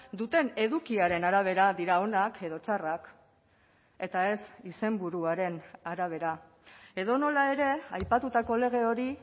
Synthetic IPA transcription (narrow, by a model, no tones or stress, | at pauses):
d̪ut̪e̞ne̞ðukiaɾe̞naɾaβ̞e̞ɾaðiɾao̞nakʰe̞ðo̞t͡ʃarak | e̞t̪ae̞sise̞mbuɾuaɾe̞naɾaβ̞e̞ɾa | e̞ðo̞no̞lae̞ɾe̞ajpat̪ut̪ako̞le̞ɣ̞e̞o̞ɾi